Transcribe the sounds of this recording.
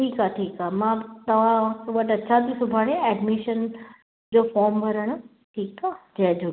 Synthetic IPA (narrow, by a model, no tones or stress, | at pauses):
ʈiːkaʈʰiːkaːmãːt̪ɐʋ̤ãʋɐʈɐtːʃʰat̪ʰisʊbʱaːɽẽɛːɖmɪʃən | d͡ʑoːfɔːɾmʋɐɾəɽ̃ʊ | ʈʰiːkaːd͡ʑɛɦd͡ʑoː